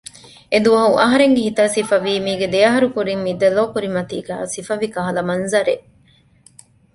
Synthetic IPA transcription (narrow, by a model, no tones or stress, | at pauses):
ed̪uʋɐɦuʔɐɦɐɾeŋɡeɦit̪ɐːsifɐʋiːmiːɡed̪ejɐɦɐɾukuɾimmid̪ɐloːkuɾimɐt̪ḭːɡæ̰ːsifɐʋikɐɦɐlɐmɐnzɐɾeʔ